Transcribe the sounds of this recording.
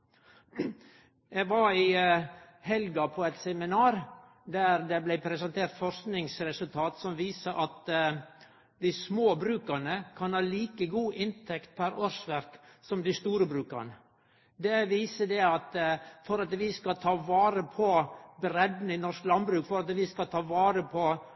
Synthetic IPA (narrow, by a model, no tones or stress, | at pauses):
jæɡʋɑɾɪ | hɛlɡɑpʰɔɛt̪sɛmɪnɑːɾ | d̪æɾd̪ɛblɛɪpʰɾɛsɛnt̪ʰeːɾt̪fɔɾsknɪŋsɾɛsʉlt̪ʰɑːt̪sɔmʋiːsəʔɑt̪ | d̪ɪsmoːbɾʉːkənəkʰɑnhɑːliːkəɡuːʔɪnt̪ʰɛkt̪̚pʰæɾoɾsʋæɾksɔmd̪ɪst̪uːɾəbɾʉːkə̰ɾnə | d̪ɛʋiːsəd̪ɛɑt̪fɔɾɑt̪ʋɪskɑt̪ʰɑːʋɑːɾəpʰɔbɾɛd̪n̩ɪnɔɾʂklɑnbɾʉːkfɔɾɑt̪ʋɪskɑt̪ʰɑːʋɑːɾəpʰɔ